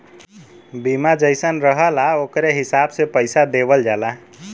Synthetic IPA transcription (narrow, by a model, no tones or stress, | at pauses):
bimad͡ʒəjsənɾəɦəlaokɾeɦisabsepəjsad̪ebəld͡ʒala